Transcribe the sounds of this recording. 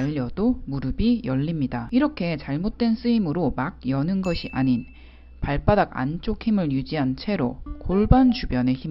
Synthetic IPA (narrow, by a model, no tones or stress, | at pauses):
ʌdomuɾɯbijʌʎːimɲidaiɾʌkʰe̞t͡ɕaɭmot̚t͈we̞ns͈ɯimɯɾomaɡ̚jʌnɯnɡʌɕʰiʔaɲin | paɭp͈adaɡa̰nt͡ɕ͈ok̚ʰhimɯɭjud͡ʑiɦant͡ɕʰe̞ɾokoɭbant͡ɕubjʌne̞çim